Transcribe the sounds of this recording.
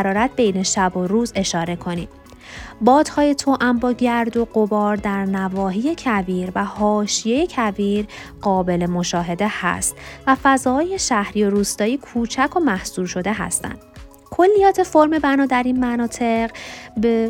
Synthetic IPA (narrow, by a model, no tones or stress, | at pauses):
ɾɒːɾæt̪̚ʰbe̞jne̞ʃæboɾuːze̞ʃɒːɾe̞kʰo̞nḭːd | bɒːd̪hɒːje̞t̪ʰoʔæmbɒːɟæɾd̪o̞ɢo̞bɒːɾd̪æɾnævɒːɦiːje̞cʰæviːɾvæhɒːʃije̞je̞cʰæviːɾ | ɢɒːbe̞lemo̞ʃɒːɦe̞d̪e̞hæ̰st̪væfæzɒːje̞ʃæhɾiːo̞ɾuːst̪ɒːjikʰuːt͡ʃʰækʰo̞mæhsuːɾʃo̞d̪e̞ɦæ̰st̪æ̰nd̪̥ | kʰo̞lːijɒːt̪ʰe̞fo̞ɾme̞bænɒːd̪æɾiːnmænɒːt̪ʰe̞ʁbe